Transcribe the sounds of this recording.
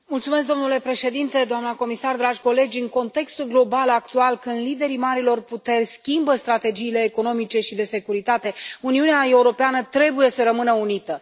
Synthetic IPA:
mult̪sume̞s̬kd̪o̞mnule̞pɾe̞ʃe̞d̪int̪e̞d̪oamnəko̞misard̪ɾad͡ʒʲko̞le̞d͡ʒʲɨŋko̞nt̪e̞kst̪ulɡlo̞balakt̪ualkɨnd̪lid̪e̞ɾimaɾilo̞rput̪e̞rʲskʲimbəst̪ɾat̪e̞d͡ʒiːle̞ːko̞no̞mit͡ʃe̞ʃid̪e̞se̞kuɾit̪at̪e̞uniuneae̞uɾo̞peanət̪ɾe̞buje̞səɾəmɨnəunit̪ə

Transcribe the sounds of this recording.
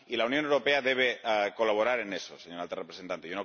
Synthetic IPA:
ilaunjonewɾo̞pe̞aðe̞β̞eko̞laβ̞oɾaɾenesoseɲoɾalt̪arepɾe̞sent̪ant̪ejono

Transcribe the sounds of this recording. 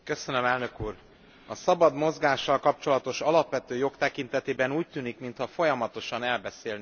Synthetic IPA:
kø̞sø̞nømɛlnøkuːr | ɒsɒbɒd̪mo̞zɡaːʃːɒlkɒp̚t͡ʃo̞lɒt̪o̞ʃɒlɒpʋɛt̪øːjo̞kt̪ɛkint̪ɛt̪eːbɛnuːc̚t̪yːnikmint̪hɒfo̞jɒmɒt̪o̞ʃɒnɛlbɛseːlni

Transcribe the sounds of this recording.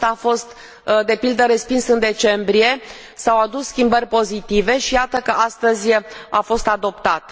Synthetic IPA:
afo̞st̪ | d̪e̞pild̪əɾe̞spinsɨnd̪e̞t͡ʃe̞mbɾie̞ | sawad̪usskʲimbərʲpo̞zit̪ive̞ʃijat̪əkəʔast̪əzʲafo̞st̪ad̪o̞pt̪at̪

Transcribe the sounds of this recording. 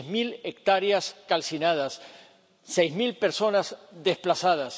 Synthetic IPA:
zmilek̚t̪aɾjaskalsinað̞asː | ejzmilpeɾso̞nazðesplasað̞as

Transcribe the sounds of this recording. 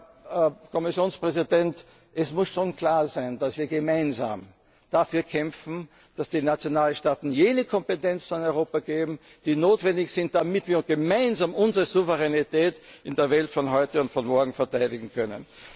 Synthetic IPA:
kʰɔmɪsjoːnspʁ̥ɛzidɛnt | ʔɛsmʊsʃoːnkʰl̥aːɐzæɪnd̥asv̥iːɐɡemaɪnza̰ːm | d̥afyːɐkʰɛmfn̩ | d̥asd̥iːnat͡sjonaːlʃtaːtn̩jeːnəkʰɔmpetɛnt͡snɪnɔʏʁoːpaɡ̥eːbm̩ | d̥iːnoːtv̥ɛndɪçz̥ɪnt̚d̥amɪtv̥iːɐɡ̥emaɪnzaːmʊnzəʁəzuvəʁɛnitɛːtɪndeːɐvɛltfɔnɦɔʏtəʊntfɔnmɔɐɡŋ̩fɛɐtʰaɪdɪɡŋ̩kʰœnə̰n

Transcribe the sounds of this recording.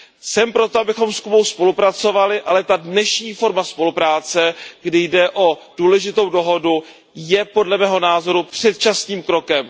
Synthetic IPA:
sɛmpɾo̞t̪oabɪxo̞mskubo̞wspo̞lupɾat͡so̞valɪʔalɛt̪adnɛʃɲiːfo̞ɾmaspo̞lupɾaːt͡sɛɡdɪjdɛʔo̞d̥uːlɛʒɪt̪o̞wdo̞ɦo̞du | jɛpo̞dlɛmɛːɦo̞naːzo̞ɾupr̥ɛt̪̚t͡ʃasniːmkɾo̞kɛm

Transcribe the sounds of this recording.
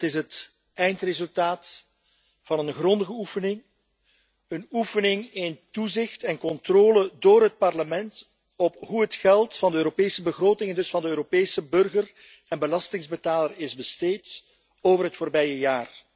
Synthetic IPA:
tɪsɦət | ɛjntrezɵlˠtaːt | fɑnənɣrɔndəɣəufənɪŋ | ənufənɪŋɪntuzɪxtɛnkɔntroːlədoːɾɦət̚pɑrləmɛnt | ɔpɦuɦətxɛlˠtfɑndəøːɾopeːsəbəɣroːtɪŋɛndɵsfɑndəøːɾopeːsəbɵrɣər | ɛnbəlɑstɪŋzbətaːlərɪzbəsteːt | oːvərɦətfoːrbɛjəjaːr

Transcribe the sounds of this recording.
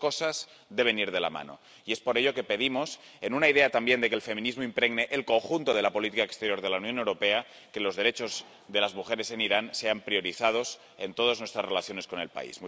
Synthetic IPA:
ko̞saz | ðe̞β̞e̞niɾð̞e̞la̰ma̰no̞̰ | ie̞spo̞ɾe̞ʎo̞ke̞pe̞ðimo̞se̞nunaiðe̞at̪ambje̞nd̪ekelfe̞mĩnizmoimpɾe̞ɣne̞ʔelko̞ŋxunt̪oð̞e̞lapo̞lit̪ikaekst̪eɾjo̞ɾðe̞launjonewɾo̞pe̞a | ke̞lo̞zðe̞ɾe̞t͡ʃo̞z | ðe̞lazmuxe̞ɾe̞se̞niɾanse̞ampɾio̞ɾiθað̞o̞s | e̞nt̪o̞ðaznwest̪ɾasrelaθjo̞ne̞sko̞ne̞lpa̰ḭzmu

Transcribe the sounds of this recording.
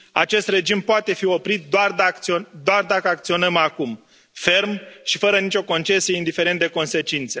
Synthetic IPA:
a̰t͡ʃe̞st̪re̞d͡ʒimpoat̪e̞fio̞pɾit̪̚d̪oard̪aiod̪oard̪akəakt̪sio̞nəmakum | fe̞rmʃifəɾənit͡ʃʲo̞ko̞nt͡ʃe̞sieind̪ife̞ɾent̪̚d̪e̞ko̞nse̞t͡ʃint̪se

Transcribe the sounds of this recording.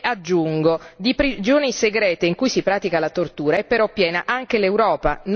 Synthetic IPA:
ad͡ʒːuŋɡod̪ipɾid͡ʒoːniseɡɾɛːt̪eiŋkujsipɾaːt̪ikalat̪ort̪uːɾaɛpːeɾɔpːjɛːna̰ʔaŋkelewɾɔːpan

